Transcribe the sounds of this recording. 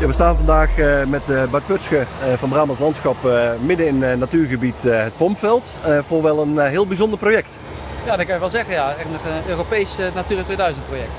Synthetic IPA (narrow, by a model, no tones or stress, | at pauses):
jaːʋəstaːnvɑndaːχmɛtbɑɹt̚pøtskəvɑnbraːmɑslɑntsxɑpmɪdəɪnnːatyːɹɣəbitɦət̚pɔmpfɛlˠt | fʊːɹʋɛlˠənɦɪːlˠbizɔndəɹprojɛk̚t | jadɑkɑnjəʋɛlˠzɛχənjaɛtnɔχəøːropejsnatyːɾətʋejdœɥzənt̚projɛk̚t